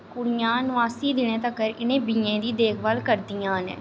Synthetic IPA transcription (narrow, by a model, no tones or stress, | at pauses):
kʊɽijãːnʊaːsiːd̪ɪnẽːt̪əkːəɾɪnẽːbiẽːd̪iːd̪eːkʰʋəlkəɾd̪ijãːnɛ̰̃ː